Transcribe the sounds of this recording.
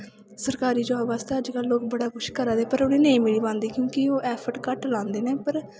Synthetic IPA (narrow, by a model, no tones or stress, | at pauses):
səɾkaːɾiːd͡ʒaːbaːst̪eːəd͡ʒkəlːoːkbəɽaːkʊʃkəɾaːd̪eːpəɾʊnẽːnẽĩːmɪɭiːbãːnd̪iːkjõːkɪoːʔɛːpʰəɾʈkəʈlãːnd̪eːneːpəɾ